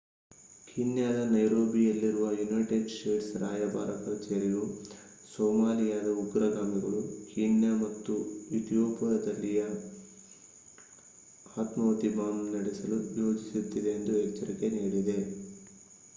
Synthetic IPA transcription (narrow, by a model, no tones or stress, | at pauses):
kʰinjaːd̪ɐnɐjɾo̞ːbijɐlːiɾuʋɐjunɐjʈeɖsʈeːʈsɾa̰ːjɐba̰ːɾɐkɐɾt͡ʃeːɾiju | soːmaːlijaːd̪ɐuɡɾɐɡaːmiɡɐɭukinjamɐt̪ːuut̪ijoːpɐɐd̪ɐlːijɐ | t̪mɐʋɐt̪ibaːmnɐɽɛsɐlujo̞ːd͡ʒisit̪ːid̪e̞ːnd̪uɛkt͡ʃːɐɾike̞niːɽid̪e̞